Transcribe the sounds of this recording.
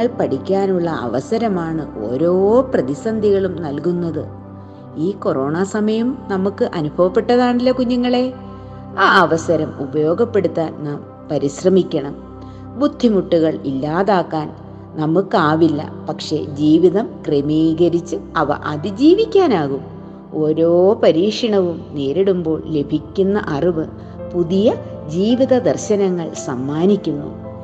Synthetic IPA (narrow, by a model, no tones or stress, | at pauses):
ɐɭpɐɽikʲːaːnuɭːɐʔɐ̰ʋɐsɐɾɐmaːɳɨʔo̞̰ːɾo̞ːprɐðisɐnd̪ʱiɣɐɭumnɐlkunːɐðɨ | iːko̞ro̞ːɳasɐmɐjɐmnɐmukːɨʔɐnubʱɐʋɐpːe̞ʈːɐðaːɳilːɐkuɲːuŋːɐɭe̞ | aːɐʋɐsɐɾɐmubɐjo̞ːɡɐpːe̞ɽut̪ːaːnnaːm | pɐɾiɕrɐmikʲːɐɳɐm | bud̪ʱːimuʈːuɣɐɭilːaːðaːkːaːn | nɐmːukːaːʋilːɐ̰pɐkʂe̞̰d͡ʑiːʋiðɐmkremiːɣɐɾit͡ɕːɨɐʋɐ̰ʔɐðɨd͡ʑiːʋikʲːaːnaːɣum | o̞ːɾo̞ːpɐɾiːʂiɳɐʋumne̞ːɾiɽumbo̞ːɭle̞bʱikʲːunːɐ̰ʔɐriʋɨ | puðijɐ | d͡ʑiːʋiðɐd̪ɐrɕɐnɐŋːɐɭsɐmːaːnikʲːunːṵ